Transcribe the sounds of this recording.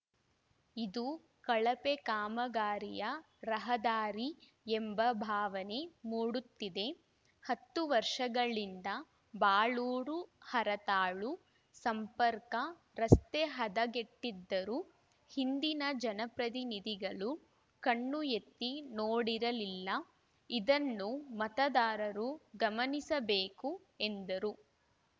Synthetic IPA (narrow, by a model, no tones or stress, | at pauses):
id̪u | kɐɭɐpekaːmɐɡaːɾijɐ | ɾɐɦɐd̪aːɾi | embɐbʱaːʋɐne̞muːɽut̪ːid̪e̞ | hɐt̪ːuʋɐɾʂɐɡɐɭind̪ɐ | baːɭuːɾuhɐɾɐt̪aːɭu | sɐmpɐɾkɐ | ɾɐst̪eɦɐd̪ɐɡeʈːid̪ːɐɾu | hind̪inɐd͡ʒɐnɐpɾɐt̪̬inid̪iɡɐɭu | kɐɳːuet̪ːinoːɽiɾɐlilːɐ | id̪ɐnːumɐt̪ɐd̪aːɾɐɾuɡɐmɐnisɐbeːku | end̪ɐɾu